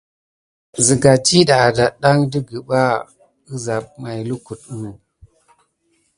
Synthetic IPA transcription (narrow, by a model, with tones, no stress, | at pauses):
zi˨ɡa˨t͡ʃi˦ɗa˨da˨ɗa˦ŋdi˦ɡi˨ɓa˦ | u˦za˨p̚ma˨jlu˦ku˨t̚u˦